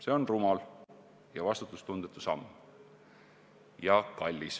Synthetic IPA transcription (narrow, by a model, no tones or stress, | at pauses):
se̞o̞nrumɑl | jɑvɑst̪ut̪ːˑust̪und̪̥et̪ːˑusɑmː | jɑkɑlʲːis